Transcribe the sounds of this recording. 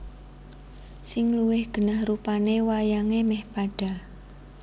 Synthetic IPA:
sɪŋluwɪhɡ̥ə̤nahrupanewajaŋemɛhpaɖ̥a̤

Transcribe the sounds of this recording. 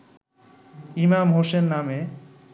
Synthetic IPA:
imamɦoʃenːame

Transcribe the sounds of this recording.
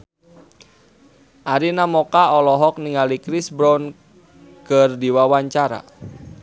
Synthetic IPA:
ʔaɾinamɔkaɔlɔɦɔk̚niŋalikɾisbɾɔn | kərdiwawaɲt͡ʃaɾa̰

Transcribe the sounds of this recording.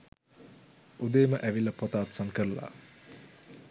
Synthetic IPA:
ud̪eːməʔæʋilːɐpot̪aːt̪saŋkəɾəla̰

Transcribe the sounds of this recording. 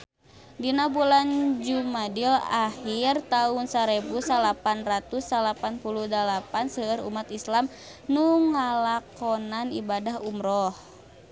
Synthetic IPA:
dinabuland͡ʒumadilahirt̪aunsaɾebusalapanrat̪usːalapanpuluhdalapansəːɾṵmat̪islam | nuŋalakɔnanibadaɦumɾɔh

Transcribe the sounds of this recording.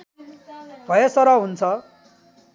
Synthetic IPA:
bʱʌjʌsʌɾʌɦunt͡sʰʌ

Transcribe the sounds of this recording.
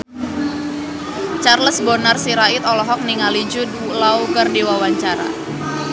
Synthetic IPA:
t͡ʃarləsbonarsiɾaɪt̪ɔlɔɦɔk̚niŋalid͡ʒʊd | laukərdiwawaɲt͡ʃaɾa̰

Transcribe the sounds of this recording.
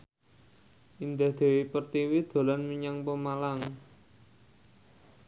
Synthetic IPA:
ʔind̪ahd̪̥e̤wipərt̪iwid̪̥o̤lanmiɲaŋpəmalaŋ

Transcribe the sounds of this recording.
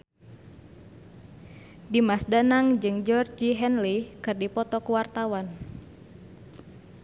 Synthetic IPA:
dimasdanaŋd͡ʒɨŋd͡ʒɔrd͡ʒiɦɛnlikɨrdipɔt̪ɔkuwart̪awan

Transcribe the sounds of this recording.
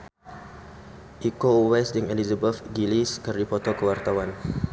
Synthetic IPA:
ʔikowɛsdiŋelizəbəfɡiliskərdipɔt̪okəwart̪awan

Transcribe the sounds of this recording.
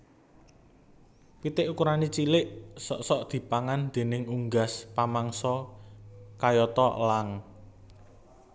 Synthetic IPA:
pit̪ɪʔukuɾanit͡ʃilɪʔsɔ̰ʔsɔʔd̪̥i̤paŋand̪̥e̤nɪŋuŋɡaspamaŋsɔ | kajɔt̪ɔʔlaŋ

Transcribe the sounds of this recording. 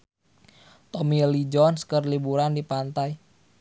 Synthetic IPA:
t̪omilid͡ʒɔnskərlibuɾandipant̪aj

